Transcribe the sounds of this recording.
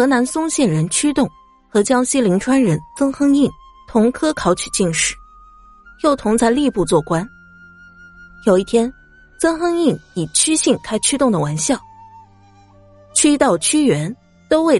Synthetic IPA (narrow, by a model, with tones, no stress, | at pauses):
xɤ˧˥na˧˥nsʊ˥ŋɕjɛ˥˩nɻə˧˥nt͡ɕʰy˥t̪ʊ˥˩ŋ | xɤ˧˥t͡ɕjɑ˥ŋɕi˥li˧˥ŋʈ͡ʂʰwa˥nɻə˧˥nt͡sɤ˥ŋxɤ˥ŋi˥˩n | t̪ʰʊ˧˥ŋkʰɤ˥kʰɑ˧˥ʊt͡ɕʰy̥˨˩t͡ɕi˥˧nʂɻ̩˥˩ | jo˥˩ʊt̪ʰʊ˧˥ŋt͡sʰa˧˥ɪli˥˧pu˥˧t͡swɔ˥˩kwa˥n | jo˧˥ʊi˥˩t̪ʰjɛ˥n | t͡sɤ˥ŋxɤ˥ŋi˥˩ni˨˩t͡ɕʰy˥ɕi˥˩ŋkʰa˥ɪt͡ɕʰy˥t̪ʊ˥˩ŋd̪ə˩wa˧˥nɕjɑ˥˩ʊ | t͡ɕʰy˥t̪ɑ˥˩ʊt͡ɕʰy˥ɥɛ˧˥n | t̪o˥ʊwe˥˩ɪ